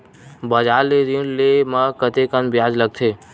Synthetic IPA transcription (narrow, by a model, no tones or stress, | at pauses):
bəd͡ʒaːleɾinlemãkət̪ekənbɪjaːd͡ʒləɡ̚t̪ʰeː